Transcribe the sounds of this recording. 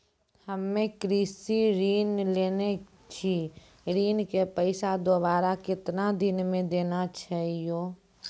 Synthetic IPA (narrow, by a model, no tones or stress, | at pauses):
həmːẽkɾiːsiɾiːnleːne | t͡ʃʰi | ɾiːnkepəɪsad̪obaːɾakɪt̪nad̪ɪnmẽd̪eːnat͡ʃʰaɦijoː